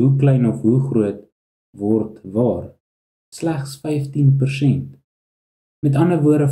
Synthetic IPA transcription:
ɦuklɛjnɔfɦuχruət | vɔrtvɑːr | slæχsfɛjftinpərsɛnt | mɛtɐndəvuəɾdə

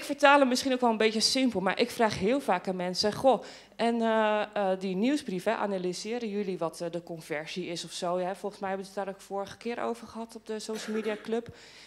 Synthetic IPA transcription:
ɪkfəɹtaːləmɪsχinowkʋɛlˠənbejtəsɪmpəlˠma̰ɹʔɪkfraːχɦɪːlˠvaːkaːnmɛnsəχo | ʔɛnədiniwsbrifɛʔa̰nalizɪːɾənjɵliʋɑtdəkɔnvɛɹziɪsɔfsowɦɛfɔlˠχənsmɛjɦɛbəətdaːɾokfoːɹəχə̥kɪːɾo̰wv̥əɹχəɦɑtɔb̚dəsowʃəl̩ˠmidiaːkløp

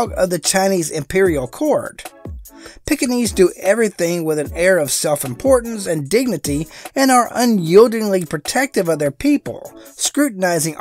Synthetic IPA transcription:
ɡʌ̰vðɨt͡ʃʰãɪ̃nizɪ̃mpʰɪɹil̩ˠkʰɔɹd̥ | pʰɪkɨnizdɨʔɛvɹiθɪ̃ŋwɪðɨ̃nɛɹʌv̥sɛlˠfɨ̃mpʰɔɹʔn̩sɨ̃ndɪɡ̚nɨɾiɨ̃nə˞ʔə̃njilˠdɪ̃ŋlipʰɹ̥ɨtʰɛk̚tɨvʌvðə˞pʰipə̰l̩ˠskɹʉʔn̩aɪzɪ̃ŋ

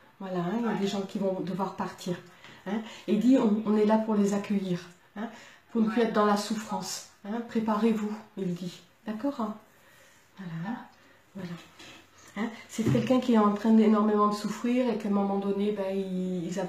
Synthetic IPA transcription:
vwalaɛ̃jad̪eʒɑ̃kʲivɔ̃d̪əvwaʁpaʁt̪ʰiʁɛ̃ild̪iɔ̃ːnɛlapuʁlezakʰʲœjiʁ | ɛ̃puʁnəplyɛt̪χəd̪ɑ̃lasufχɑ̃sɛ̃pχepaʁevuild̪i | d̪akɔːʁɛ | vwala | vwala | ɛ̃sɛkʲɛlkʲɛ̃kʲiɛɑ̃t̪χɛ̃d̪enɔʁmemɑ̃d̪əsufχiʁekə̃mɔmɑ̃d̪ɔnebɛiilza

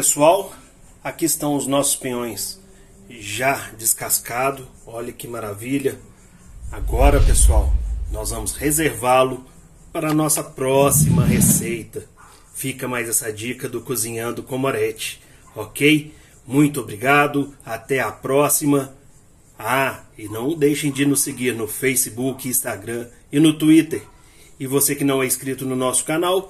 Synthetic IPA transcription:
pesuaw | akiɪst̪ɐ̃w̃ʊznɔsʊ̥spĩɲõj̃s | ʒad͡ʒɪskaskad̪ʊ | ɔʎɐkɪmaɾaviʎɐ | aɡɔɾɐpesuawnɔzvɐ̃mʊshezeɾvalʊ | paɾɐnɔsɐpɾɔsimɐɦesejt̪ɐ | fikɐmajzɛsɐd͡ʒikɐd̪ʊkuzĩɲɐ̃d̪ʊkõmoɾɛt͡ʃɪ̥ | ɔkej | mũj̃t̪ʊobɾiɡad̪ʊat̪ɛapɾɔsimɐ | aɪnɐ̃w̃d̪ejʃẽj̃d͡ʒɪnʊsseɡiɾnʊfejsɪbukɪĩst̪aɡɾɐ̃ɪnʊt̪uit̪eɾ | ɪvosekɪnɐ̃w̃ɛɪskɾit̪ʊnʊnɔsʊ̥kanaw

